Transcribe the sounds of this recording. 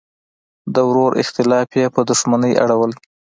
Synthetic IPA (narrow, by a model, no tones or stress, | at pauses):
d̪əwɾoɾʔɪ̰xt̪ɪlɑfjepəd̪ʊʃmanəjʔa̰ɽawəl